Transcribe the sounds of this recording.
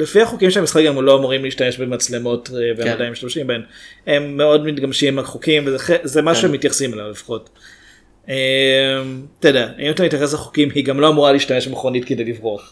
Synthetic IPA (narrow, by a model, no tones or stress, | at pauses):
lefiaχokimʃeamisχakɡamlo̞amuʁimliːʃtame̞ʃbemat͡sle̞mo̞tevemadajmːiʃtamʃimbaeme̞mːeo̞dmitɡamʃimaχokimvezeχezemaʃuʃeemitjaχsimalavlefḁχo̞t | emtedeaimt̪amitjaχes̬laχo̥kimhiɡamlo̞amuʁaliːʃtame̞ʃbemeχʁonitkedejlivʁoaχ